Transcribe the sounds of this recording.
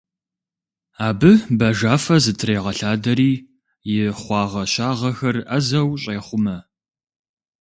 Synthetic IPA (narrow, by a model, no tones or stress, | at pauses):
aːbɨbɐʒaːfɐzɨtʰɾeːʁɐɬaːdɐɾiː | jɪχʷɑːʁɐʃaːʁɐxɐrɐzɐwɕʼeːχʷʊmɐ